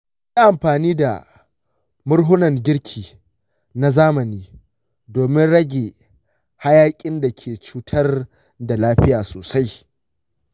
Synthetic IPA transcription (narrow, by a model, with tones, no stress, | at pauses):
jaː˦ʔa˨mɸaː˨niː˦da̰˨ | mʊ˦ɽɦʊ˦nɐ˨ŋɡʲɪ˦ɽkʲʰiː˨ | na˦zaː˦mɐ˨niː˦ | doː˨mɪ˦nɽɐ˦ɡʲe˨ | ha˦jaː˦kʲʼɪ˦nda˨kʲʰeː˨t͡ʃuː˦tʰɐ˦r | da˨laː˦ɸɪ˦jaː˨soː˨sa˦j